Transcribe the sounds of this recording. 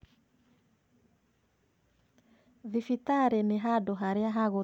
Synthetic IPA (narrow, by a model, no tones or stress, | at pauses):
vifit̪aɾɛmeɦadɔɦaɾjaɦaɣɔ